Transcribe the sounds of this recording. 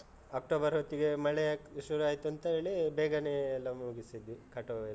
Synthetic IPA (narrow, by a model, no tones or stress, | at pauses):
aːk̚ʈoːbɐɾɦot̪ːiɡemɐɭeʃuɾuaːjt̪uɐnt̪ɐɦeːɭibeːɡɐneːlːɐmuɡisid̪ʋikɐʈo